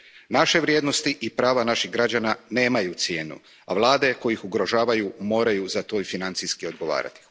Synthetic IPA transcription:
naʃe̞ʋɾʲje̞ːd̪no̞st̪iʔipɾaːʋanaʃixɡɾad͡ʑanane̞ːmajut̪sje̞ːnṵ | a̰ʋlˠaːd̪e̞ko̞jixuɡɾo̞ʒaːʋajumo̞ːɾajuzat̪o̞ːifinant̪sijskio̞d̪̚ɡo̞ʋa̰ːɾa̰t̪i

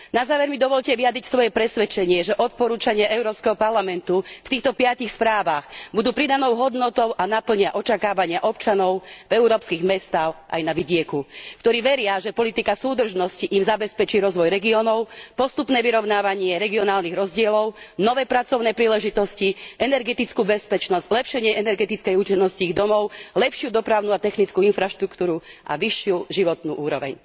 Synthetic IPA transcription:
nazaːʋɛɾmid̪ɔʋɔʎcɛʋijad̪ɾicsʋɔjɛpɾɛsʋɛt͡ʃɛɲɪɛʒɛʔɔt̪̚pɔɾuːt͡ʃaɲɪaʔɛʊɾɔːpskɛɦɔpaɾlamɛnt̪uft̪iːxt̪ɔpɪacixspɾaːʋaɣbud̪uːpɾid̪anɔʊɦɔd̪nɔt̪ɔʊʔanapl̩ɲɪaʔɔt͡ʃakaːʋaɲɪaʔɔp̚t͡ʃanɔʊvɛuɾɔːpskiɣmɛst̪aːxʔa̰jnaʋiɟɪɛkukt̪ɔɾiːʋɛɾɪaʒɛpɔlit̪ikasuːd̪r̩ʒnɔsciʔimzabɛspɛt͡ʃiːɾɔzʋɔjɾɛɡiɔnɔʊpɔst̪upnɛːʋiɾɔʊnaːʋaɲɪɛɾɛɡiɔnaːlniɣɾɔzɟɪɛlɔʊnɔʋɛːpɾat͡sɔʊnɛːpɾiːlɛʒit̪ɔsciʔɛnɛɾɡɛt̪it͡skuːbɛspɛt͡ʃnɔz̥zlɛpʃɛɲɪɛʔɛnɛɾɡɛt̪it͡skɛjut͡ʃɛnːɔsciiɣd̪ɔmɔʊlɛpʃjud̪ɔpɾaʊnuat̪ɛxnit͡skuinfɾaʃt̪ɾukt̪uːɾuʔa̰ʋiʃːɪuʒiʋɔt̪nṵːʔuːɾɔʋɛ̰ɲ

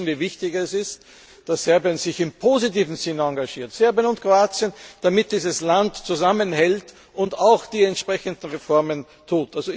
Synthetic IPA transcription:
nviːvɪçtɪçɛsɪst | d̥asz̥ɛɐbiənzɪçɪmpʰozitiːvn̩zɪnəãŋɡaʒiːɐtsɛɐbiənʊnt̚kʁ̥oaːt͡siənd̥amɪt̚d̥iːzəslantt͡suzamənhɛlt | ʊntaʊxd̥iːɛntʃpʁ̥ɛçəndn̩ʁefɔɐmən | tʰuːtʔalzo

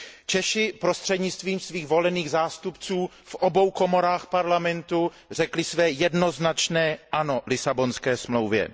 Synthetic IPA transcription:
t͡ʃɛʃɪpɾost̪r̝̥ɛdɲɪt͡st̪viːmsviːɣvo̞lɛniːɣzaːst̪upt͡suː | fʔobo̞wko̞moɾaːxpaɾlamɛnt̪u | r̝ɛklɪsvɛːjɛdno̞znat͡ʃnɛːʔano̞lɪsabo̞nskɛːsmlowvjɛ̰

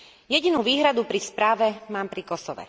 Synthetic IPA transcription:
jɛɟinuːʋiːɦɾad̪upɾispɾaːʋɛmaːmpɾikɔsɔʋɛ̰

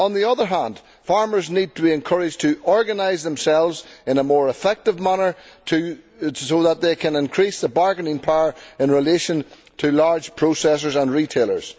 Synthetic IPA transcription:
ə̃nðiʌðə˞ɦãnd̥ | faɹmə˞znid̚tʰəbiɨ̃nkʰʌɹɪd͡ʒtʰəɔɹɡənaɪzðə̃msɛlˠvzɪ̃nəmɔɹɪfɛk̚tɪvmanə˞tʰɨ | soðət̪̚ðeɪkʰə̃nɪ̃nkʰɹ̥isðəbaɹɡənɪ̃ŋpʰaʊə˞ɪ̃nɹɪleʃə̃n | tʰəlaɹd͡ʒʒ̥pʰɹ̥osɛs̬ə˞zə̃nɹitʰelˠə̰˞z̥

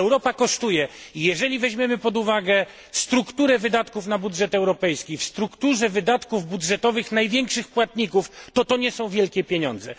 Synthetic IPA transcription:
ɛwɾɔpakɔʂt̪ujɛijɛʐɛlʲivɛʑmʲjɛmɘpɔd̪uvaɡɛ | st̪ɾukt̪uɾɛvɘd̪at̪kufnabudʐɛt̪ɛwɾɔpɛjskʲifst̪ɾukt̪uʐɛvɘd̪at̪kuvbudʐɛt̪ɔvɘxnajvʲjɛŋkʂɘxpwat̪ɲikuft̪ɔt̪ɔɲɛsɔ̃w̃vʲjɛlkʲɛpʲjeɲɔnd̪zɛ̰

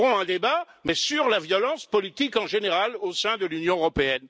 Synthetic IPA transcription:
ʁɔ̃ɛ̃d̪ebamɛsyʁlavjɔlɑ̃spɔlit̪ikɑ̃ʒeneʁalosɛ̃d̪əlynjɔ̃øʁɔpeɛn

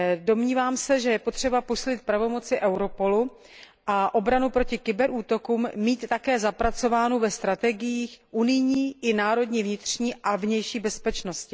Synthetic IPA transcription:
do̞mɲiːvaːmsɛʒɛjɛpo̞t̪r̝̥ɛbaposiːlɪt̪̚pɾavo̞mo̞t͡sɪʔɛwɾo̞po̞lu | ʔaʔo̞bɾanupɾocɪkɪbɛɾʔuːt̪o̞kuːmmiːt̪ːakɛːzapɾat͡so̞vaːnuvɛst̪ɾat̪ɛɡɪjiːxʔunɪjɲiːʔɪnaːɾo̞dɲiːvɲɪt̪r̥ɲiːʔavɲɛjʃiːbɛspɛt͡ʃno̞scɪ

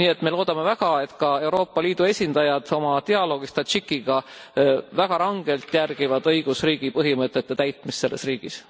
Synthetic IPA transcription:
niːe̞t̪me̞lo̞ːd̪̥ɑme̞væɡ̥ɑe̞t̪kɑe̞wɾo̞ːpːˑɑliːd̪̥ue̞sʲind̪̥ɑjɑd̪̥o̞mɑt̪eɑlo̞ːɡ̥ist̪ɑt͡ʃikːiɡ̥ɑ | væɡ̥ɑɾɑŋɡ̥e̞lt̪jærɡ̥ivɑd̪ɤjɡ̥usriːɡ̥ipɤɦimɤt̪ːˑet̪ːe̞t̪æjt̪ˑmist̪se̞lːe̞sriːɡ̥is

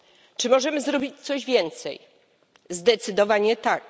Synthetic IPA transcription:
t͡ʂɘmɔʐɛmɘzɾɔbʲit͡ɕt̪sɔʑvʲjɛnt̪sɛ̰j | zd̪ɛt̪sɘd̪ɔvaɲɛt̪ak

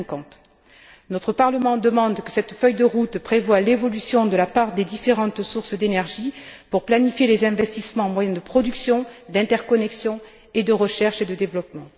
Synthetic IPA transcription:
kɑ̃t̪ | nɔt̪χəpaʁləmɑ̃d̪əmɑ̃d̪kəsɛt̪fœjd̪əʁut̪pχevwalevɔlysjɔ̃d̪əlapaʁd̪ed̪ifeʁɑ̃t̪suʁsd̪enɛʁʒipuʁplanifjelezɛ̃vɛst̪ismɑ̃ɑ̃mwajɛ̃d̪əpχɔd̪yksjɔ̃d̪ɛ̃t̪ɛʁkɔnɛksjɔ̃ | ed̪əʁəʃɛʁʃed̪əd̪evlɔpmɑ̃

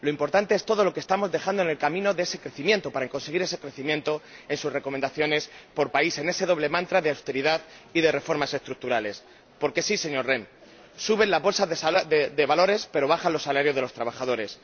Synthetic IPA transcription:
lo̞impo̞ɾt̪ant̪e̞e̞st̪oð̞o̞lo̞kest̪amo̞zðe̞xand̪oene̞lkamĩno̞ðe̞ese̞kɾe̞θimje̞nt̪o̞paɾaeŋko̞nseɣiɾe̞se̞kɾe̞θimje̞nt̪o̞e̞nsusrekomẽ̞nd̪aθjo̞ne̞spo̞ɾpaise̞ne̞se̞ðo̞β̞le̞mãnt̪ɾaðeawst̪e̞ɾiðaðiðe̞re̞fo̞ɾmase̞st̪ɾuk̚t̪uɾale̞s | po̞ɾke̞sise̞ɲo̞ɾrem | suβe̞nlazβo̞lsaðed̪e̞βalo̞ɾe̞spe̞ɾo̞β̞axanlo̞sːalaɾjo̞zðelost̪ɾaβ̞axað̞o̞ɾe̞s

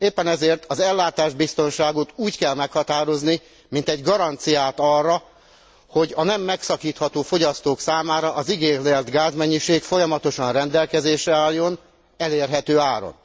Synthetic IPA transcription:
eːpːɛnɛzeːrt̪ʰɒzɛlːaːt̪aːʒbist̪o̞nʃaːɡot̪uːckɛlmɛkhɒt̪aːɾo̞zni | mint̪ɛɟɡɒɾɒnt̪sijaːt̪ɒrːɒ | ho̞ɟɒnɛmːɛksɒkiːt̪hɒt̪oːfo̞ɟɒst̪oːksaːmaːɾɒʔɒziɡeːkleːrd̪ɡaːzmɛɲːiʃeːkfo̞jɒmɒt̪o̞ʃɒnrɛnd̪ɛlkɛzeːʃɛaːlːo̞n | ɛleːrɦɛt̪øːaːɾo̞̰n

